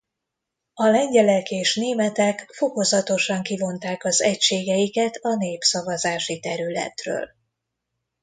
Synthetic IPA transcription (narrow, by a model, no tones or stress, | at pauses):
ɒlɛɲɟɛlɛkeːʃneːmɛt̪ɛkfo̞ko̞zɒt̪o̞ʃɒŋkivo̞nt̪aːkɒzɛcʃeːɡɛjikɛt̪ʰɒneːpsɒvɒzaːʃit̪ɛɾylɛ̰t̪rø̰ːl